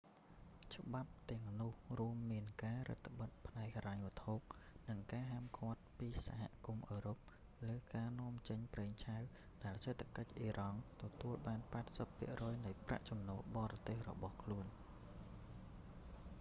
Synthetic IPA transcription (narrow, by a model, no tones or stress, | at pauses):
t͡ɕə̆ɓap̚t̪ɛ̆əŋnŭəhruəmːiənkaːɾə̰t̪ʰːə̆ɓət̪̚pʰnaɛk̚haɾaɲʋə̆ət̪ʰop̚nɨŋkaːɦaːmkʰŏət̪̚piːsaɦa̰ʔkumʔəːɾoːp̚ | ləːkaːnŏəmt͡ɕəɲpreːŋt͡ɕʰaw | ɗaɛlset̪ʰːakəc̚ʔiːɾɑŋt̪ɔt̪uəlɓaːnpaɛt̪̚səpʰːḭəʔrɔːjnɨjpra̰ʔt͡ɕɑmnɔːlɓɑːɾɑt̪eːhrɔ̰ɓɑhkʰluən